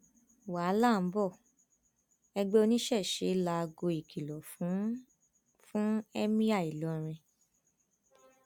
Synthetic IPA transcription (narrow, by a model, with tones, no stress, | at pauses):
wa˨˦la˦˨m̩˨˦bɔ˦˨ | ɛ˧ɡ͡be˦o˧nĩ˦ʃɛ˦˨ʃe˨˦la˧ɡo˧i˨kʰi˨lɔ˨fũ˨˦ | fũ˦ɛ˦mĩ˦a˦˨i˨lɔ˧˦˨ɾ̃ĩ˧